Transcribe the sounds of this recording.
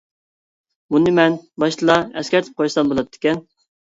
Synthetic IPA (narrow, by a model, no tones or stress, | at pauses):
bunɨmɛnbɑʃt̪ʰɨlˠɑɛskʲæɾt̪ʰɪ̥p̚qʰojsɑnbolˠɑd̪ɪ̥kʲɛn